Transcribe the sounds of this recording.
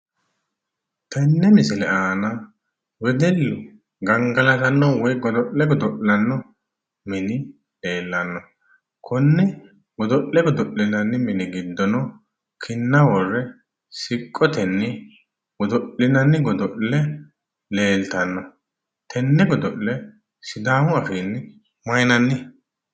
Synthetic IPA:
t̪ɛnːɛmɪsɪlɛaːnɐ | wɛd̪ɛlːʊ | ɡɐŋɡɐlɐt̪ɐnːɔwɔjɡɔd̪ɔʔlɛɡɔd̪ɔʔlɐnːɔ | mɪnɪ | le̞ːlːɐnːɔ | kʰʊnːɛ | ɡɔd̪ɔʔɛɡɔd̪ɔʔːɪnɐnːɪmɪnɪɡɪd̪ːɔnɔ | kʰɪnːɐwɔrːɛ | sɪkʼːɔt̪ɛnːɪ | ɡɔd̪ɔʔɪnɐnːɪɡɔd̪ɔʔlɛ | le̞ːlt̪ɐnːɔ | t̪ɛnːɛɡɔd̪ɔʔlɛ | sɪd̪aːmʊɐfiːn | mɐjnɐnːɪ

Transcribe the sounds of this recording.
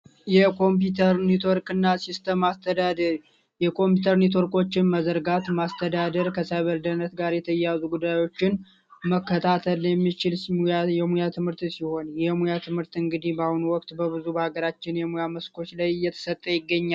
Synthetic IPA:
jɛkʰo̞mpjut̪ʰəɾnit̪ʰo̞ɾkɨnːasist̪ʰəmast̪ʰəd̪ad̪ə | jɛkʰo̞mput̪ʰəɾnit̪̬ʰo̞ɾkʰʼo̞t͡ʃːɪnməzəɾɡat̪mast̪ʰəd̪ad̪əɾkʰəsajβəɾd̪ənət̪ɡaɾjɛt̪ʰəjazuɡud̪ajo̞t͡ʃːɪn | məkːət̪ʰat̪ʰəljɛmːit͡ʃɪljɛmujat̪ʰɨmhɨɾt̪siho̞njɛmujat̪ʰɨmhɨɾt̪ɨŋɡɨd̪ihbahunuwɔk̚t̪bəβɨzubəhaɡəɾat͡ʃːɪnjɛmujaməskʰo̞t͡ʃːlajjːɛt̪ʰə̥sət̪ʼːəjɪɡːəɲːal

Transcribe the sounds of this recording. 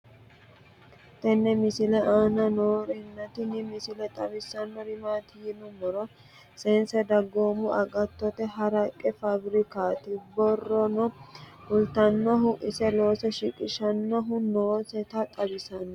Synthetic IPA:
t̪ɛnːɛmɪsɪlɛʔaːnɐnoːɾɪnːɐt̪ɪnɪmɪsɪlɛt̪ʼɐbɪsːɐnːɔɾɪmaːt̪ɪjɪnʊmɔɾɔ | seːnsɛd̪ɐɡːoːmʊʔɐɡʼɐt̪ːɔt̪ɛɦɐɾɐkʼːɛfɐbɾɪkaːt̪ɪbɔrːɔnɔhʊlt̪ɐnːɔɦʊʔɪsɛlo̞ːsɛʃɪkʼɪʃɐnːɔɦʊnoːsɛt̪ɐt̪ʼɐbɪsɐnɔ

